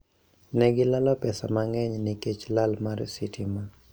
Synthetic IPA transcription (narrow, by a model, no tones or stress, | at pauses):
nɛɡɪlalɔpɛsamaŋɛɲnɪket͡ʃlalmaɾsitʰima